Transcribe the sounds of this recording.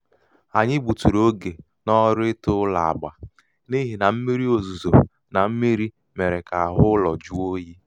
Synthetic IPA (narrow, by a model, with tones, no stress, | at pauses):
a˨ɲɪ˦ɡ͡bu˨tu˨ɾo˦ɡe˨ | nɔ˦ɾɪ˦tʊ˦la̰˨a̰˨ɡ͡ba̰˨ | ni˦ɦi˨na˨m̩˦mi˦ɾi˦o˨zu˨zo̰˨ | na˨m̩˦mi˦ɾi˦ | me˨ɾe˨ka˨a˨ɦʊ˦lɔ˨d͡ʒu˦o˦ji˦